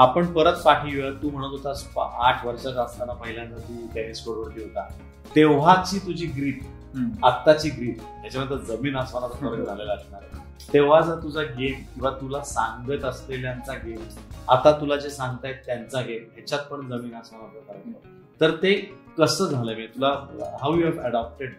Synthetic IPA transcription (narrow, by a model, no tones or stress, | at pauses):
apəɳpəɾət̪paʈiʋəɾt̪uːm̤əɽ̃ut̪ɦot̪asupa̰ʔaʈʰʋəɾʂat͡səst̪anapəɦiljãnt̪at̪uːt̪janiskoɽʋəɽt̪iɦot̪a | t̪eʋ̤at͡ɕiːt̪ud͡ʑiːɡɾiːʈ | at̪ːat͡ɕiːɡɾiːʈɦat͡ɕaməd̪ləd̪d͡zəmiːnasʋañat͡səəɾɡd͡zʱalelaɡɳaɾ | t̪eʋ̤ad͡zət̪ud͡zʱaɡemkĩw̃ʋat̪ulasãŋɡɡət̪əsleljant͡saɡema̰t̪at̪ulad͡ʑesãŋɡ̚t̪ajet̪ːjant͡saɡemɦat͡ɕat̪̚pəɳd͡zəmiːnasʋaɽ̃at͡səkəɾəə | t̪əɾt̪e | kəsəːd͡zʱaləmet̪ulaɦawjuɦɛʋəɽap̚ʈeɖ